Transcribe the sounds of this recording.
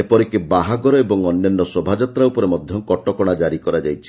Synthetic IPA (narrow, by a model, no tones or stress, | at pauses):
epɔɾikebaɦaɡɔɾɔebɔŋɔnjɔnːɔsɔbʱad͡ʒat̪ɾaupɔɾemɔd̪ʱjɔkɔʈɔkɔɽ̃ad͡ʒaɾikɔɾad͡ʒajt͡ʃʰi̥